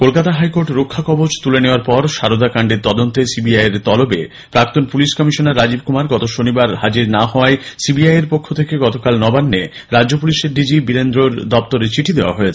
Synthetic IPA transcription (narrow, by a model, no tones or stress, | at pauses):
kolkat̪aɦajkoɾʈɾokʰːakɔbod͡ʑt̪uleneoaɾpɔɾʃaɾod̪ʱakaɳɖeɾt̪ɔd̪ont̪esibiajeɾt̪ɔlobe | pɾak̚t̪onpuliʃkɔmiʃonaɾːad͡ʑibkumaɾɡɔt̪oʃonibaɾɦad͡ʑiɾnaɦɔaesibiajeɾpokʰːot̪ʰekeɡɔt̪okalnɔbanːe | ɾaopuliʃeɾɖid͡ʑibiɾend̪ɾoɾd̪ɔp̚t̪oɾet͡ɕiʈʰid̪eoa̰ɦoet͡ɕʰe̥